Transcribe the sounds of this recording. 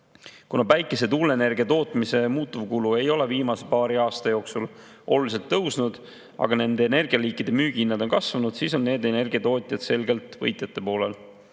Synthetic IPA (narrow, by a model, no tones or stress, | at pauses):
kunɑpæjkːˑe̞se̞t̪ulːene̞rɡ̥iɑt̪o̞ːt̪ˑmise̞muːt̪ːˑuvkulue̞jo̞le̞viːmɑse̞pɑːɾiɑːst̪ɑjo̞ːksul | ʔo̞̰lulise̞lt̪ːɤwsnud̪̥ | ɑ̰ɡ̥ɑne̞nd̪e̞ːne̞rɡ̥iɑliːkˑːid̪̥e̞myːɡ̥iinːɑd̪o̞nkɑsvɑnud̪̥siːso̞nːe̞ːd̪e̞ne̞rɡ̥iɑt̪o̞ːt̪ʲˑjɑd̪̥se̞lɡe̞lt̪vɤ̰jt̪ˑjɑt̪ːˑe̞po̞ːlel